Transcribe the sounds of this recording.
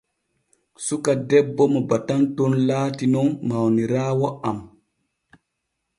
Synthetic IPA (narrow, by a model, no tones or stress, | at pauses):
sukadɛbːɔmɔbatantɔnlaːtinɔnmawniɾaːwɔam